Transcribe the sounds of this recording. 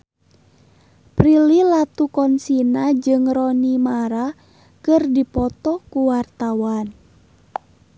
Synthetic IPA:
pɾililat̪ukɔnsinad͡ʒɨŋrɔnimaɾa | kɨrdipɔt̪ɔkuwart̪awan

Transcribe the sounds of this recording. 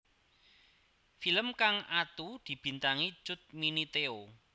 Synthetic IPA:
filəmkaŋat̪ud̪̥i̤b̥i̤nt̪aŋi̥t͡ʃʊt̪̚minit̪eo

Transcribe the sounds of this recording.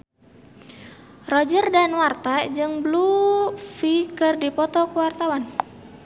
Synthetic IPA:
rɔd͡ʒərdanwart̪ad͡ʒɨŋblufikɨrdipɔt̪ɔkuwart̪awan

